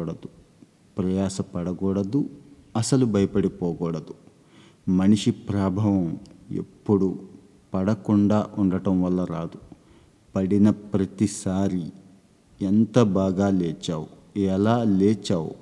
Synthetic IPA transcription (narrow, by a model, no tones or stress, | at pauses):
ɽɐd̪u | pɾɐjaːsɐpɐɽɐɡɔːɽɐd̪u | ɐsɐlubɐjɐpɐɽipɔːɡɔːɽɐd̪u | mɐniʂipɾaːbʱɐːʋɐmḛpːuɽu | pɐɽɐkuɳɖaːʔuɳɖɐʈɐmʋɐlːɐɾaːd̪u | pɐɽinɐpɾɐt̪isaːɾi | ent̪ɐbaːɡaːlɛːt͡ʃːaːwu | ɛlaːleːt͡ʃːaːwṵ